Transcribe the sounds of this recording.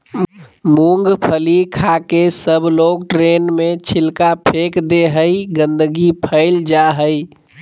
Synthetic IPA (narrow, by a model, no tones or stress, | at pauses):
muŋɡpʰəlikʰakesəbʱloɡ̚ʈɾenmet͡ʃʰilkapʰekd̪eɦəjɡə̃nd̪əɡipʰəɪld͡ʒaɦəj